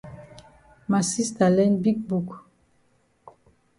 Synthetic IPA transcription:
ma˨si˦sta˨lɛ˦nbi˦k̚bu˨k

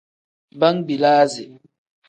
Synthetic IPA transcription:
ba˦ŋbi˨laː˦zi˨

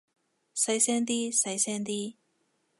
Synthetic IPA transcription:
sɐ˧˥jsɛː˥ŋt̪iː˥sɐ˧˥jsɛː˥nt̪̬iː˥

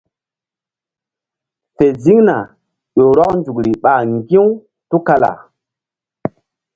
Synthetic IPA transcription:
fe˨zi˦ŋna˨ | ɗo˨ɾɔ˦knd͡ʒu˨kɾi˨ɓa˨ŋɡi˦w | tu˦ka˦la̰˨

